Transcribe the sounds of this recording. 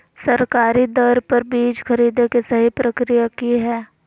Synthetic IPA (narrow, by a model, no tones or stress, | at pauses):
sɐɾkaːɾid̪ɔɾpɐɾbiːd͡ʒkɐɾiːd̪ekesɐɦipɾɐkɾijakiɦɛː